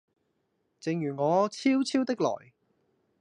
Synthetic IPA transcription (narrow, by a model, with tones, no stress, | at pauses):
t͡sɪ˨ŋjyː˨˩ŋɔː˨˧t͡sʰiː˥wt͡sʰiː˥wt̪ɪ˥k̚lɔ̰ː˨˩j